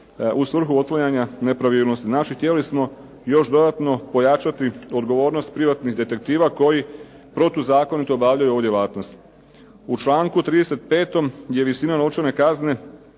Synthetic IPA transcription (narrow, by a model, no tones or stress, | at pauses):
usʋr̩xuot̪lajaɲane̞pɾaʋiːlnost̪iznat͡ʃixt̪jelismo̞ | jo̞ʃd̪o̞d̪at̪no̞po̞jat͡ʃat̪io̞d̪ɡo̞ʋo̞ːɾnost̪̚pɾiʋat̪niɦd̪e̞t̪e̞k̚t̪iːʋako̞ji | pɾo̞t̪uzaːko̞nit̪oːbaːʋʎajuo̞ʋud̪jelaːt̪no̞st̪ | ut͡ʃlˠaːŋkut̪ɾiːd̪e̞se̞t̪pe̞ːt̪o̞mje̞ʋisinano̞t͡ʃene̞kazne̞